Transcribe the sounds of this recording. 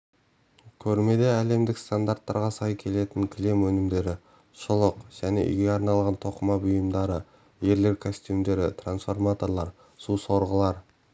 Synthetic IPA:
kʲʰɵɾme̞d̪e̞æle̞md̪ɪkst̪and̪art̪ːɑɾʁɑsɑjkʲʰe̞le̞t̪ɪŋkʲʰɪle̞mwɵnɪmd̪e̞ɾɪ | ʃʊlˠəqʒ̥æne̞̰ʔḭɡʲeɑɾnɑlˠʁɑnt̪ʰo̞qəmɑbʊjəmd̪ɑɾə | je̞ɾle̞ɾkʰosʲt̪ʲumd̪e̞ɾɪt̪ʰransfo̞rmat̪o̞ɾlˠɑɾ | suso̞ɾʁəlˠɑɾ

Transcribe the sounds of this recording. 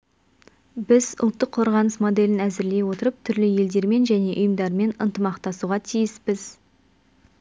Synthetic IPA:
bɪzʊ̰lˠt̪ːəqʰːo̞ɾʁɑnəsmo̞d̪e̞lɪnæzɪɾle̞jwo̞t̪əɾəp̚t̪ʰʏɾlɪje̞ld̪e̞ɾme̞nʒæne̞ʔʊjəmd̪ɑɾme̞nə̰nt̪əmɑqt̪ɑsuʁɑt̪ʰijɪspɪz

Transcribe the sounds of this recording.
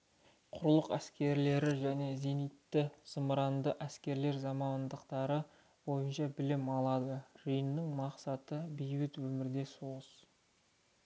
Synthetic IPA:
qʰʊɾlˠəqæskʲe̞ɾle̞ɾɪʒæne̞ze̞nijt̪ːɪsəmɾɑnd̪əʔæskʲe̞ɾle̞ɾzɑmɑnd̪əqt̪ɑɾə | bo̞jənʃɑbɪlɪmɑlˠɑd̪əʒ̥ijənːɪŋmɑqsɑt̪əbijbɪt̪wɵmɪɾd̪e̞soʁəs

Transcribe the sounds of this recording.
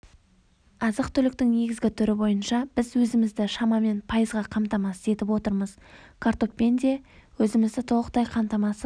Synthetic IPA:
ɑzəqt̪ʰʏlɪk̚t̪ɪŋne̞ɡʲɪzɡʲɪt̪ʰʏɾɪbo̞jənʃɑb̥ɪzwɵzɪmɪzd̪ɪʃɑmɑme̞npʰɑjəzʁɑqʰɑmt̪ɑmɑsəe̞t̪ɪpwo̞t̪əɾməzkʰaɾt̪o̞ppe̞nd̪ewɵzɪmɪzd̪ɪt̪ʰo̞lˠəqt̪ɑjqʰɑmt̪ɑmɑsə

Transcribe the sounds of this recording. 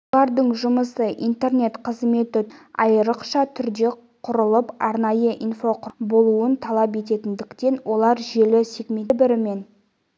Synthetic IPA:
ɑɾd̪əɴʒʊməsəʔḭnt̪e̞rne̞t̪qʰəzme̞t̪ɪɑjəɾəqʃɑt̪ʰʏɾd̪e̞ | qʰʊɾəlˠəpɑɾnɑjəʔinfo̞qʰbo̞lˠuənt̪ʰɑlˠɑpe̞t̪e̞t̪ɪnd̪ɪkt̪e̞nwo̞lˠɑɾʒe̞lɪsekmebɪɾɪme̞n

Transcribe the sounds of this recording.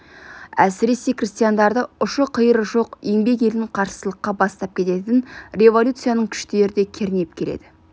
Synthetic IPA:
æsɪɾe̞se̞krist̪ijand̪ɑɾd̪əʊʃəqʰəjəɾʒo̞qe̞ŋbe̞k̬e̞lɪɴqʰɑɾsəsəlˠəqːɑbɑst̪ɑp̚kʲʰe̞t̪e̞t̪ɪnrʲe̞vo̞lʲut̪sɨijanəɴkʲʰʏ̥ʃt̪e̞ɾɪd̪e̞kʲʰeɾne̞p̚kʲʰe̞le̞̰d̪̥ɪ

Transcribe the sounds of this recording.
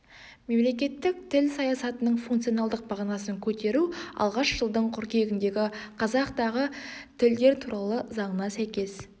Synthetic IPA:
me̞mle̞kʲe̞t̪ːɪk̚t̪ʰɪlsɑjɑsɑt̪ənəɴfuŋkt̪sio̞nɑlˠd̪əq̚bɑʁɑnɑsəŋkʲʰɵt̪e̞ɾuɑ̰lˠʁɑʃʒəlˠd̪əɴqʰʊɾkʲe̞ɡʲɪnd̪e̞ɡʲɪqʰɑzɑqt̪ɑʁət̪ʰɪld̪e̞ɾt̪ʰuɾʔɑlˠəzɑɴənɑsæjkʲe̞s

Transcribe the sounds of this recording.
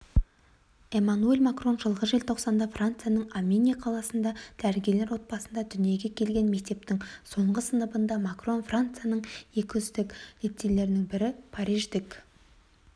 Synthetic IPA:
e̞manue̞lʲmakro̞nʒəlˠʁəʒelʲt̪ʰo̞qsɑnd̪ɑfrʔant̪sɨjanəɴamʲe̞nʲijaqʰɑlˠɑsənd̪ɑd̪̥æɾɪɡʲele̞ɾwo̞t̪̚bɑsənd̪ɑd̪ʏnije̞ɡʲe̞kʲʰe̞lɡʲe̞nme̞k̚t̪e̞p̚t̪ɪŋso̞ɴʁəsənəbənd̪ɑmakro̞nfrant̪sɨjanəɴje̞kʲɪʏzd̪ɪklet̪ːele̞ɾɪnɪŋbɪɾɪpʰaɾiʒd̪ɪk

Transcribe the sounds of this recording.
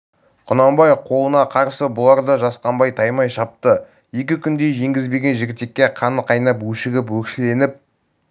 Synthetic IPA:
qʰʊnɑmbɑjqʰo̞lˠənɑqʰɑɾsəbʊlˠɑɾd̪ɑʒɑsqɑmbɑjt̪ʰɑjmɑjʃɑp̚t̪ə | je̞kʲɪkʲʰʏnd̪e̞ʒe̞ŋɡʲɪzbe̞ɡʲe̞nʒɪɡʲɪt̪e̞kʲːeqʰɑnəqɑjnɑpwɵʃɪɡʲɪpwɵkʃɪle̞nɪp̚

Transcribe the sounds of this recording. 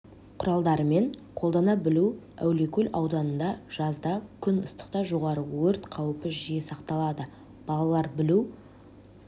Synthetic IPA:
qʰʊɾɑlˠd̪ɑɾəme̞ɴqʰo̞lˠd̪ɑnɑbɪlu | æ̰wle̞kʲʰɵlʔɑwd̪ɑnənd̪ɑʒ̥ɑzd̪ɑkʲʰʏnəst̪ə̥qt̪ɑʒo̞ʁɑɾəwɵɾt̪qʰɑwəpəʒijesɑqt̪ɑlˠɑd̪ə | b̥ɑlˠɑlˠɑɾbɪlu

